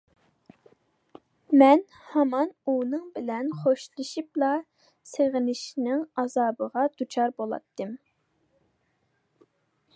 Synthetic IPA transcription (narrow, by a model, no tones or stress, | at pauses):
mɛn | hɑmɑnunɨŋbɪlɛnχoʃlˠɨʃiplˠɑ | seʁɪnɪʃnɪŋɑzɑːbəʁɑd̪̥ut͡ʃʰɑɾbolˠɑ̰t̪ʰːɨm